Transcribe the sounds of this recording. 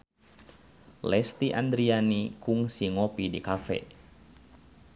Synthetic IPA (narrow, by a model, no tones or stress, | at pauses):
lɛst̪iʔa̰nd̪ɾianikuŋsiŋɔpidikafɛ̰